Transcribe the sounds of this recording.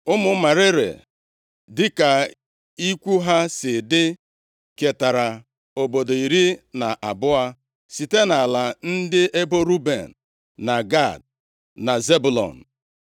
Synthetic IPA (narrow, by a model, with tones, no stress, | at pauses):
ʊ˦mʊ˦ma˨ɾɪ˦ɾḛ˨ | dɪ˦ka˨ | i˦kʷu˦ɦa˦sɪ˨dɪ˦ | ke˨ta˨ɾa˨ | o˨bo˨do˨i˨ɾi˦na˨ʔa˨bʊ˦a˦ | si˨te˦na˨la˨n̩˦dɪ˦ʔe˦bo˦ɾu˦bḛ˨n̩ː˨ | a˨ɡa˦˨d̚ | na˨ze˦bu˨lɔ̰˨n̩˨